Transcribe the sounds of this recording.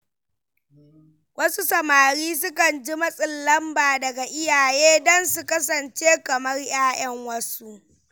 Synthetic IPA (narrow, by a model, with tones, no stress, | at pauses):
wʔɐ˦su˦sɐ˨maː˨ɽiː˦s̬ʊ˦kɐ˨nd͡ʒi˦mɐ˦sʼɪ˨lːɐ˦mbaː˨dɐ˨ɡa˨ʔɪ˦jaː˨jeː˦dɔ˦nsu˨kɐ˦s̬ɐ˨nt͡ʃeː˦kɐ˨mɐ˦rj̰aː˦j̰ɐ˦ŋwɐ˦su˦ʔ